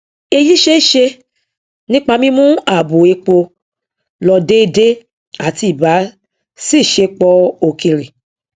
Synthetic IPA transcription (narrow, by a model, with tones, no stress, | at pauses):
e˧ji˦ʃe˦˨ʃe˧ | nĩ˦k͡pa˧mĩ˦mũ˦a˨bo˨e˧k͡po˧ | lɔ˧de˦˧de˦ | a˦˨ti˧˦i˨ba˨˦ | si˦˨ʃe˧k͡pɔ˧o˨kĩ˨ɾi˨